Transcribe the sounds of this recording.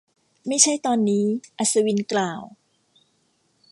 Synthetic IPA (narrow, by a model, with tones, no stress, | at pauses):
ma˥˩jt͡ɕʰa˥˩jt̪ɔː˧nːiː˦˥ʔa˨˩sa˧wi˧nklaː˨˩w